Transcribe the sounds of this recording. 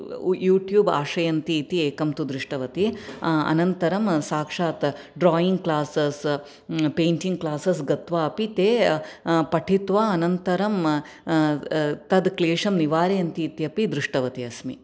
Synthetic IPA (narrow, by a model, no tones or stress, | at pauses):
juːʈjuːba̰ːʂɐjɐnt̪iːt̪ieːkɐmt̪ud̪ɾuʂʈɐʋɐt̪iɐ̰nɐnt̪ɐɾɐmsaːkʂaːt̪ | ɖɾaːjiŋɡ̚klaːsɐs | peːɳʈiŋɡ̚klaːsɐsɡɐt̪ʋaːɐpit̪eː | pɐʈʰit̪ʋaːɐnɐnt̪ɐɾɐm | t̪ɐd̪kleːʂɐmniʋaːɾejɐnt̪iːt̪jɐpid̪ɾuʂʈɐʋɐt̪iɐsmḭ